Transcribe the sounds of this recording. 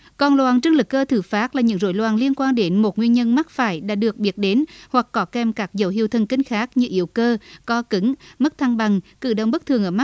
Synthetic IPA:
kɔ˨˩nlwaː˨˩nt͡ɕɨ˧əŋlɨ˨˩kːəː˧t̪ʰɨ˧˩faː˦˥t̚laː˨˩ɲɨ̰˧˥ŋzo̰˧˥jlwaː˨˩nli˧ənkwaː˧nɗe˨˦nmo˨˩t̚ŋwi˧nɲə˧nma˦˥t̚faː˧˩jɗa̰ː˧˥ɗɨ˨˩ək̚ɓi˨˥ət̚ɗe˨˦nhwa˨˩kːɔ˨˦kɛ˧mkaː˦˥k̚zə˨˦wɦi˧˩əwt̪ʰə˨˩nkï˧ŋ̟xaː˦˥k̚ɲɨ˧ʔi˧˩əwkəː˧kɔ˨˦kɨ˨˦ŋmə˦˥k̚t̪ʰa˧ŋɓa˨˩ŋkɨ̰˧˩ɗə˨˧˩wŋ͡mɓə˦˥k̚t̪ʰɨ˨˩əʔəː˧˩ma˦˥

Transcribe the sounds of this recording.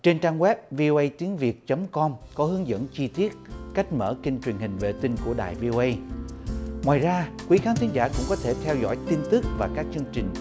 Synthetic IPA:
t͡ɕe˧nt͡ɕaː˧ŋwɛ˦˥p̚vi˧ʔo˧ʔə˧jt̪i˨˦ənvi˨˩ət̚t͡ɕə˨˦mkɔ˧mkɔ˨˦hɨ˨˦əŋzə̰˧˥nt͡ɕi˧t̪i˦˥ət̚ka˦˥jk̟̚mə̰ː˧˩kï˧ŋ̟t͡ɕwi˨˩ənhï˨˩ŋ̟vḛ˨˩t̪ï˧ŋku˧˩əɗa̰ː˨˩jvi˧ʔo˧ʔə˧j | ŋwaː˨˩jzaː˧kwi˨˦xaː˨˦nt̪ʰi˨˦ŋzaː˧˩kʊ̰˧˥ŋ͡mkɔ˨˦t̪ʰe˧˩t̪ʰɛ˧wzɔ̰˧˥jt̪i˧nt̪ɨ˦˥k̚vaː˨˩kaː˦˥k̚t͡ɕɨ˧əŋt͡ɕï˨˩ŋ̟

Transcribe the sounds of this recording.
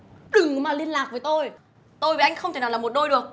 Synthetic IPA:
ɗɨ˨˩ŋ˨maː˨˩li˧ənlaː˨˩k̚vəː˨˦jt̪o˧j | t̪o˧jviː˨˩ʔa˧jŋ̟xə˧wŋ͡mt̪e˨˩nːa˨˩lːa˨˩mo˨˩t̚ɗo˧jɗɨ˨˩ək̚

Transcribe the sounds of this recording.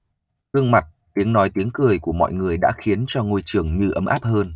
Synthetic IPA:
t̪ɨ˧əŋma˨˩t̚t̪i˨˦əŋnɔ˨˦jt̪i˨˦əŋkɨ˨˩əjku˧˩əmɔ̰˧˨jŋɨ˨˩əjɗa̰ː˧˥xi˨˦ənt͡ɕɔ˧ŋo˧jt͡ɕɨ˨˩əŋɲɨ˧ʔə˨˦mʔaː˦˥p̚həː˧n

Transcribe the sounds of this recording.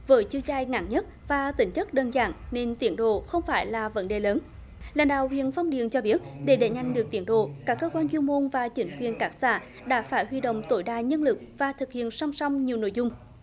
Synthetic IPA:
vəː˨˦jt͡ɕɨ˧zaː˧jŋa̰˧˥nɲə˦˥t̚vaː˨˩t̪ï˧˩ŋ̟t͡ɕə˦˥k̚ɗəː˧nza̰ː˧˩nne˧nt̪i˨˦ənɗo̰˧˨xə˧wŋ͡mfaː˧˩jlaː˨˩və̰˧˦nɗe˨˩ləː˨˦n | la̰ː˨˧˩ŋɗa̰ː˧˨whwḭ˧˨ənfɔ˧wŋ͡mɗḭ˨˧˨ənt͡ɕɔ˧ɓi˦˥ət̚ɗe˧˩ɗe˧˩ɲa˨˩jŋ̟ɗɨ˨˩ək̚t̪i˧˦ənɗo̰˧˨kaː˦˥kːəː˧kwaː˧nzwi˧mo˧nvaː˨˩t͡ɕï˨˦ŋ̟kwḭ˨˩ənkaː˦˥k̚sa̰ː˧˩ | ɗa̰ː˧˥faː˧˩jɦwi˧ɗo̰˧˨wŋ͡mt̪o˧˩jɗaː˧˨ɲə˧nlɨ˨˩k̚vaː˨˩t̪ʰɨ˨˩k̚hḭ˧˨ənsa˧wŋ͡msɔ˧wŋ͡mɲi˨˩wno̰˧˨jzʊ˧ŋ͡m

